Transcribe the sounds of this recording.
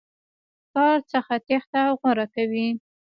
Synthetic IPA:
kɑɾt͡səxat̪ext̪awɣaɾakawi

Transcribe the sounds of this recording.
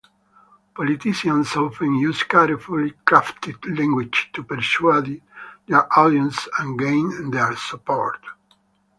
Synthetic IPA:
pɔlit̪iʃiãnsɔlfĩnjuskaɾifulikɾaft̪id̪lɛ̃ŋɡwit͡ʃt̪upɛɾsuad̪id̪ɛɹʔɔd̪jɔ̃nsãnɡẽj̃nd̪ɛɹsupɔɹt̪

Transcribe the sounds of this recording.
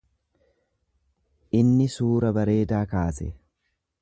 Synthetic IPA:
ʔɪnːɪsuːɾɐbɐɾe̞ːd̪aːkaːsɛ̰

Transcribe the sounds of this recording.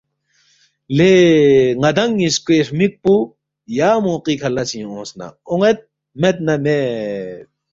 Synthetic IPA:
leŋɐd̪ɐŋiskeʂmik̚pu | jaːmõqikʰɐlɐsĩõːsna̰oŋet̪̚ | met̪̚nɐme

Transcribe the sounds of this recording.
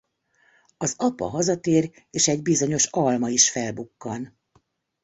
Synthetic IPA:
ɒzɒpɒ̰ɦɒzɒt̪eːr | eːʃɛɟbizo̞ɲo̞ʃɒlmɒiʃfɛlbukːɒn

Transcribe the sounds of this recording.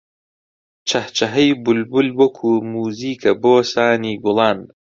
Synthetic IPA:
t͡ʃʰɐht͡ʃʰɐɦɐjbulbulwɐkʰuːmuːziːkʰɐboːsaːniːɡʊlˠɑːn

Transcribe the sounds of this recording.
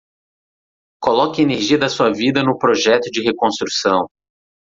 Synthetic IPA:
kolɔkɐeneɾʒiɐd̪ɐsuɐvid̪ɐnʊpɾoʒɛt̪ʊd͡ʒɪɦekõst̪ɾusɐ̃w̃

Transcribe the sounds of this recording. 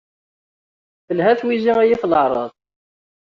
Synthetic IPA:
θəlɦæθwiziæjifləʕɾˤɑ̰ðˤ

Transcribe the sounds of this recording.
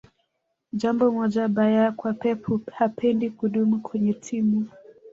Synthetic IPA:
ʄambɔmɔʄaɓajakwapɛpʰuhapʰɛndikuɗumukʰwɛɲɛtʰimu

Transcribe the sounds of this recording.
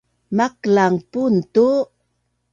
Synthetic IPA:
maklaŋpuntu

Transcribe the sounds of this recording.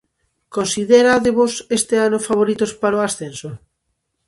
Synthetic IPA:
konsiðeɾaðeβosest̪eanofaβoɾit̪ospaɾoasθenso

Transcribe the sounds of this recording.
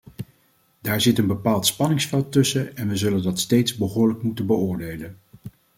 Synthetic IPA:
d̥aːɹzɪtənbəpaːlˠtspɑnɪŋsfɛlˠtɵsəɛnʋəzɵləndɑtstejtzbəɦʊːɹləkmutənbəʊːɹdejlən

